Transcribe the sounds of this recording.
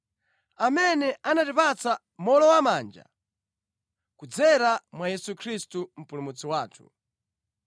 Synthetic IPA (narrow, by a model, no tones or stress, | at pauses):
amɛnɛanatipat͡sa | mɔlɔwamaːnd͡ʒa̰ | kud͡zɛɾamwajɛsukʰɾistum̩pulumut͡siwaːtʰu̥̰